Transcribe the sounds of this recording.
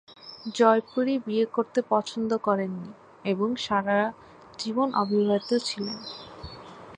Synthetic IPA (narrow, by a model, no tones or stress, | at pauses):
d͡ʑɔjpuɾibiekoɾt̪epɔt͡ɕʰond̪okɔɾenːi | eboŋʃaɾa | d͡ʑibonʔo̰bʱibʱat̪ot͡ɕʰilen